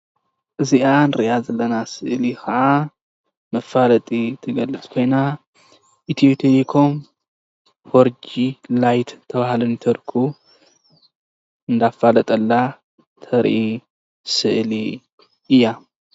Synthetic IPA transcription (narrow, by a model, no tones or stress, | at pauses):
ʔɨziʔanɨɾɨʔazɐlːɐnasɨʔlikɐʔa | mɐfːalɐt̪ʼit̪ʰɨɡɐlːɨt͡sʼkʰo̞jna | ʔit̪ʰiot̪ʰeikʰom | hoɾd͡ʒilajt̪t̪ʰːɐβahlɨnt̪ʰɐɾkʰu | ɨnd̪afːalɐt̪ʼɐlːa | t̪ʰɐɾʔi | sɨʔli | ɨjːa